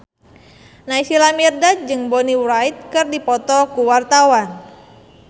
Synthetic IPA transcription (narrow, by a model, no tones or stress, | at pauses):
naisilamirdad͡ʒɨŋbɔniwɾait̪̚kɨrdipɔt̪ɔkuwart̪awan